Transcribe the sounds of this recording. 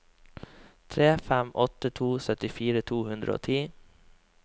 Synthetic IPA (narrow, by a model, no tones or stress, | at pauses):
t̪ʰɾeːfæmʔɔt̪ət̪ʰuːsœt̪ɪfiːɾət̪ʰuːhʉnd̪ɾʔə̰o̰ːt̪ʰiː